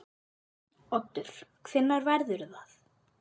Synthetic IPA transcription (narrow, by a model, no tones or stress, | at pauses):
ɔt̪ːʏɾ̥kʰfɪnːaɾvɛɾðʏɾθaθ